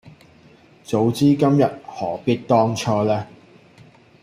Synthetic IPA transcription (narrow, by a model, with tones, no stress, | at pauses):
t͡so˨˧wt͡siː˥kɐ˥mjɐ˨t̚hɔː˨˩piː˥t̚t̪ɔː˥ŋt͡ʃt͡sʰɔː˥lɛː˥